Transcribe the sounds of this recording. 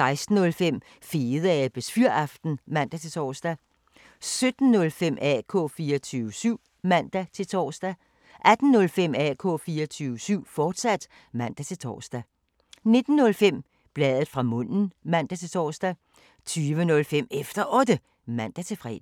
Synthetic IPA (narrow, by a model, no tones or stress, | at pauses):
sɑ̈ɪsd̥n̩ɔ̽lfem̰ | fiːð̩ˠæb̥esfyɐ̰ɑ̈fd̥n̩mæn̰d̥æt͡sʰe̝lt͡sʰɒ̰ːsd̥æ | sød̥n̩ːɔ̽lfem̰ɛ̰ːkʰɔ̰̽ːfiːɐt͡sʰyːʊəsyʊ̰ | mæn̰d̥æt͡sʰe̝lt͡sʰɒ̰ːsd̥æ | ʔæd̥n̩ːɔ̽lfem̰ɛ̰ːkʰɔ̰̽ːfiːɐt͡sʰyːʊəsyʊ̰fɒːd̥sæd̥ | mæn̰d̥æt͡sʰe̝lt͡sʰɒ̰ːsd̥æ | ne̝d̥n̩ːɔ̽lfem̰ | b̥lɛːðˠð̩ˠfʁɑ̈mɔ̽n̰n̩mæn̰d̥æt͡sʰe̝lt͡sʰɒ̰ːsd̥æ | t͡sʰyːʋənɔ̽lfem̰efd̥ɐʔɔ̽d̥ə | mæn̰d̥æt͡sʰe̝lfʁɛ̰ːd̥